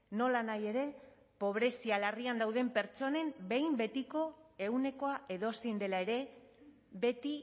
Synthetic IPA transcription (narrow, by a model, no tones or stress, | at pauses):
no̞lanaje̞ɾe̞ | po̞β̞ɾe̞sialariand̪awðe̞mpe̞ɾt͡ʃo̞ne̞mbe̞jmbe̞t̪iko̞e̞ɣwne̞ko̞aʔe̞ðo̞sejnd̪e̞lae̞ɾe̞ | be̞t̪i